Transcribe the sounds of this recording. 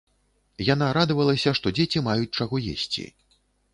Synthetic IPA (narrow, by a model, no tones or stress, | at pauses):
jan̪aɾad̪vɐlˠɐsʲɐʂt̪ɔd͡zʲet͡sʲimajut͡sʲt͡ʂaɣɔjḛsʲt͡sʲḭ